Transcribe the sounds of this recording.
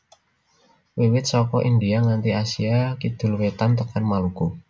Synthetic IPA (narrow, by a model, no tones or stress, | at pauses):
wiwɪt̪̚sɔkɔʔind̪iaŋant̪iasiakid̪̥ʊ̤lwet̪ant̪əkanmaluɡ̥u